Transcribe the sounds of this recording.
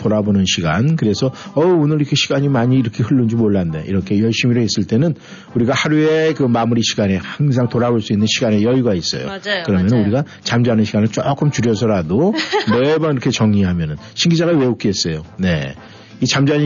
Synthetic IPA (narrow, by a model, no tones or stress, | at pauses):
toɾabonɯnɕʰiɡankɯɾe̞sʰʌʌonɯɾiɾkʰe̞ɕʰiɡaɲimaɲiːɾʌkʰe̞hɯɭːɯnd͡ʑimoɭːandḛʔiɾʌkʰe̞jʌɭɕ͈imiɾoɦes͈ɯɭt͈e̞nɯn | uɾiɡahaɾue̞kɯmamuɾiɕʰiɡanehaŋsʰaŋtoɾaboɭs͈uinːɯnɕʰiɡane̞jʌjuɡais͈ʌ̰jo̰kɯɾʌmjʌnɯnuɾiɡa | t͡ɕamd͡ʑanɯnɕʰiɡanɯɭt͡ɕ͈ok͈ɯmt͡ɕuɾjʌs̬ʰʌɾadonebaiɾʌkʰe̞t͡ɕʌŋɲiɦamjʌnɯn | ɕʰiŋɡid͡ʑaɣawe̞ok͈iɦes͈ʌjone̞ | it͡ɕamd͡ʑaɲ